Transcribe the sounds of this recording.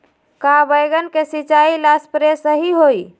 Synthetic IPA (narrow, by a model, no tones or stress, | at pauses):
kabəjɡənkesit͡ʃailaspɾesəɦiɦoi